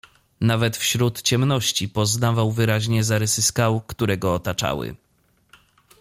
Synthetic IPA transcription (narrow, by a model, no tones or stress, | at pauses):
navɛt̪fɕɾut̪t͡ɕɛmnɔɕt͡ɕipɔznavawvɘɾaʑɲɛzaɾɛsɘskawkt̪uɾɛɡɔːt̪at͡ʂa̰wɘ̰